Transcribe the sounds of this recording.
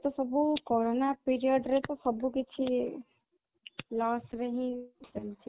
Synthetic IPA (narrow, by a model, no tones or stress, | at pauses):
t̪ɔsəbukoɾonapiɾijəɖɾeɦet̪ɔsəbuket͡ʃʰi | lɔsɾəɦĩsəlt͡ʃʰi